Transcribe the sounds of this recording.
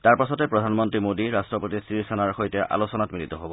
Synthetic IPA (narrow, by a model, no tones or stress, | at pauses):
taɹpasɔtɛpɹɔdʱanmɔntɹimodiɹastɹɔpotisɹisanaɹxojtɛʔa̰losɔnatmilitɔɦobɔ